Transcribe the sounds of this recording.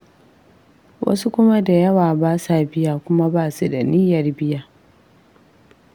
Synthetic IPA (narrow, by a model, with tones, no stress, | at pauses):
wʔɐ̰˦su˦kʷʊ˦ma˦da˨jɐ˦waː˨baː˦saː˨bɪ˦jaː˨kʷʊ˦ma˦baː˦˨su˨da˨niː˦jɐ˨rbɪ˦jaː˨